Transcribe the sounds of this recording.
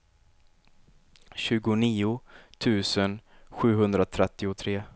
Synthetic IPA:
ɕʉ̟ːɡʊniːʊt̪ʰʉ̟ːsənɧʉ̟ːɦɵnd̪ɾat̪ʰɾɛt̪ːɪʊt̪ʰɾeː

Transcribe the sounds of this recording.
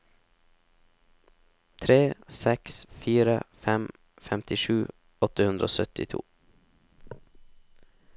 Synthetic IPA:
t̪ʰɾeːsɛksfiːɾə̰fɛm | fɛmt̪ɪʃʉː | ɔt̪əhʉnd̪ɾʔo̰ːsœt̪ɪt̪ʰṵː

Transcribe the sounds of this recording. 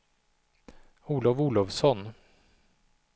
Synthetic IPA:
uːlɔvuːlɔvsɔn

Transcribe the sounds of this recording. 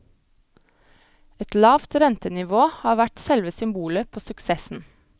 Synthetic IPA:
ɛt̪lɑːʋt̪ɾɛnt̪ənɪʋoːhɑːʋæʈsɛlʋəsʏmbuːləpʰoːsʉksɛsn̩

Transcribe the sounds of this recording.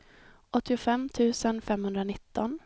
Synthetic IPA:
ʔɔt̪ːɪʊfɛmt̪ʰʉ̟ːsənfɛmhɵnd̪ɾanɪt̪ːɔn

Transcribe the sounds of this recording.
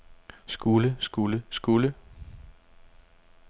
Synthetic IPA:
sɡ̥uləsɡ̥uləsɡ̥ulə

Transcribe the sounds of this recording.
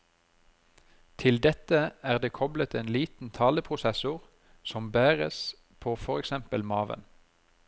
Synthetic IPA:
t̪ʰɪld̪ɛt̪əæːʁd̪eːkʰɔblət̪eːnliːt̪n̩t̪ʰɑːləpʰʁʊsɛsʊʁ | sɔmbæːʁə̰s | pʰoːfɔʁɛksɛmpəlmɑːʋə̰n

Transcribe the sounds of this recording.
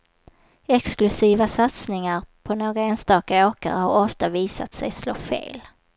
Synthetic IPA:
ɛksklɵsiːvasat̪snɪŋaɾpʰɔnoːɡɾaeːnst̪ɑːkaoːkə̰ɾhaɾɔft̪aviːsat̪sɛjsloːfḛːl

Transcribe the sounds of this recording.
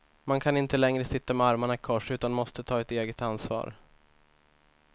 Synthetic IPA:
mankʰanɪnt̪əlɛŋɾəsɪt̪ːamɛaɾmaɳaɪkʰɔʂʉ̟ːt̪anmɔst̪ət̪ʰɑːɛt̪eːɡət̪ansvɑ̰ːɾ

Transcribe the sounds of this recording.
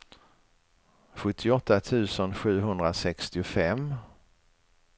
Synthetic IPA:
ɧɵt̪ʰːɪɔt̪ːat̪ʰʉ̟ːsənɧʉ̟ːɦɵnd̪ɾasɛkst̪ɪʊfɛm

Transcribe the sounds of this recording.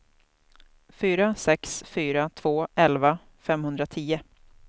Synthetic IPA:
fyːɾasɛksfyːɾat̪ʰv̥oːɛlva | fɛmhɵnd̪ɾat̪ʰiːə

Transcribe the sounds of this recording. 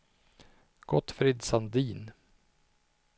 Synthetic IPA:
ɡ̥ɔt̪ːfɾɪd̪sand̪iːn

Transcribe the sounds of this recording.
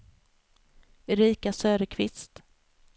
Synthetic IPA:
ɾiːkasøːɾəkʰvɪ̰st̪

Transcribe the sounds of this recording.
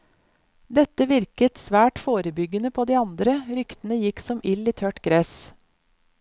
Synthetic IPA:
d̪ɛt̪əʋɪɾkət̪sʋæːʈfoːɾəbʏɡənəpʰoːd̪iːɑnd̪ɾəɾʏkt̪ən̩əjɪksɔmʔɪliːt̪ʰœʈɡɾɛs

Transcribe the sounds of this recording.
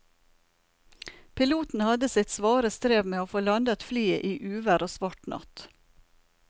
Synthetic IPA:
pʰɪluːt̪n̩hɑd̪əsɪt̪sʋɑːɾəst̪ɾeːʋmeːoːfoːlɑnd̪ət̪flyːə̰ʔiːʔʉːʋæɾoːsʋɑʈnɑ̰t̪

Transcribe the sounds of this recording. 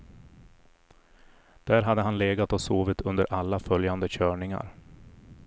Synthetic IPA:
d̪̥æːɾɦad̪ːəɦanleːɡat̪ɔsoːvɪt̪ʰɵnd̪əɾʔalːafœljand̪əɕœːɳɪŋa̰ɾ

